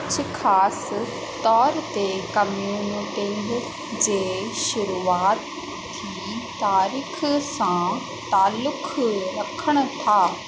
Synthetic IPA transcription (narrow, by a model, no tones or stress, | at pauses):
t͡ɕʰxʰaːs | t̪ɔːɾt̪ekɐmjunkẽnd̪ɪ | d͡ʑeːʃʊɾuːaːt̪ | t̪ʰːiːt̪aːɾiːxsã | t̪aːlːʊkʰɾɐkʰəɽ̃ʊ̆t̪ʰaː